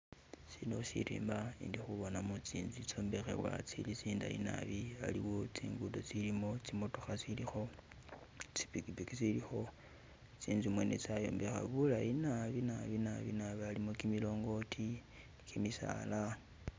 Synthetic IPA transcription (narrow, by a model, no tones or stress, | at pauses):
sinoʃḭɾḭːmbaḭndixuβo̞namut͡siːnzit͡so̞ːmbe̞xḛwa̰t͡silit͡siːndaḭna̰βia̰liwo̞t͡siːŋɡudot͡silimo̞t͡simotoxasilixo̞ | t͡si̥pikipikit͡silixo̞ | t͡siːnzumwe̞net͡sajo̞̰ːmbe̞xa̰βulainaβinaβinaβinaβialimokimilo̞ːŋɡo̞tʰi | kʰimisa̰la